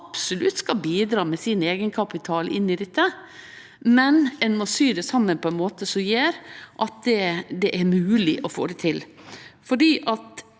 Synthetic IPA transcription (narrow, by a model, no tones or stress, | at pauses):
ɑpsɔlʉt̪skɑlbiːd̪ɾɑːmɛsiːneːɡənkʰɑpɪt̪ʰɑːlʔɪ̰nːɪd̪ɛt̪ʰːə | mɛnɛnmɔsyːd̪ɛsɑmːənpʰɔɛnmoːt̪əsɔmjeːɾʔɑt̪̚d̪ɛd̪ɛʔæɾmʉːlɪʔɔfo̰ːd̪ɛt̪ʰɪlfɔɖiːʔɑt̪